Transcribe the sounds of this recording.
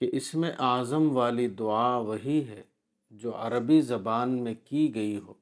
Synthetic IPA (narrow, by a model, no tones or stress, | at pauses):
keʔɪsmẽʔaːzəmʋaːlid̪ʊaːʋɐɦiɦɛː | d͡ʒoːɐɾəbizɐbaːnmẽkiɡɐiɦoː